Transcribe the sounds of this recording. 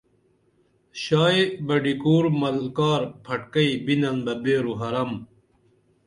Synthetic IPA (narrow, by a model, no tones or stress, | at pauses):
ɕaːebɐɖikuːɾmɐlkaːɾpʰɐʈkɐibinɐnbɐbeːɾuɦɐɾɐm